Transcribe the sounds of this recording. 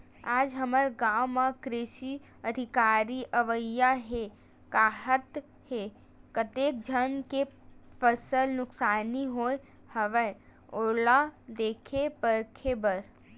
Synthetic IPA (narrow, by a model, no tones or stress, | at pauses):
aːd͡ʒɦəməɾɡãwmãkɾɪʃi | əd̪ʱɪkaːɾiʔəʋəjːaɦe | kaːɦət̪ | he | kət̪eːk̚d͡ʒʱənkepʰəsəlnʊksaːniɦoe | həʋə | olad̪eːkʰepəɾkʰebəɾ